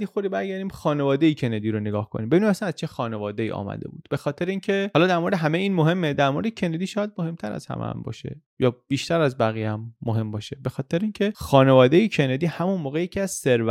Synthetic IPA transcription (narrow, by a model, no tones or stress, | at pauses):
d̪ixoɾd̪ibæɾɟæɾd̪iːmxɒːnevɒːd̪ejicʰened̪iːɾoneɡɒːhkʰoniːmbebinimæsænæz̥t͡ʃʰe̞xɒːnevɒːd̪eḭːʔɒ̰ːmæ̰d̪e̞̰bṵːd̪̥b̥e̞xɒːt̪ʰe̞ɾeiːncʰe̞ɒːlɒːd̪æɾmo̞ɾed̪eɦæmeiːnmoɦe̞mːed̪æɾmoɾed̪ecʰe̞ned̪iːʃɒːjæd̪̚mohe̞mt̪ʰæɾæ̰z̥hæ̰mʔḛæ̰mbɒ̰ːʃe̞̰ | jɒːb̥iːʃt̪ʰæɾæzbæɣijæmːoɦe̞mbɒːʃe̞be̞xɒːt̪ʰeɾeincʰexɒːnevɒːd̪ejicʰened̪iːhæmunmoːɣe̞jecʰiæz̥seɾvæ